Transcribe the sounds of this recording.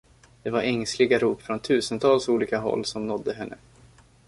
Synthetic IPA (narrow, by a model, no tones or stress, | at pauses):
d̪̥ɛvaɾɛŋslɪɡaɾuːpfɾɔnt̪ʰʉ̟ːsənt̪ʰɑːlsuːliːkaɦɔ̰lːsɔmnɔd̪ːəɦɛnːə̰